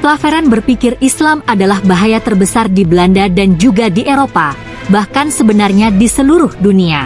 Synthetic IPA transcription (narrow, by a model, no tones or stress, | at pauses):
plafeɾanbərpikɪrislamadalahbaɦajat̪ərbəsardiblandadand͡ʒuɡadiʔeɾopa | bahkansəbənarɲadisəluɾʊhdunia